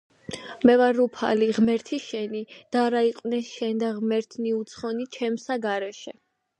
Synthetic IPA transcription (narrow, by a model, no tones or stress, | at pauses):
mɛvaɾupʰa̰liʁmɛɾt̪ʰiʃɛnid̪̥aɾaiqʼwnɛʃɛnd̪aʁmɛɾt̪ʰniut̪sʰχɔnit͡ʃʰɛmsaɡaɾɛʃɛ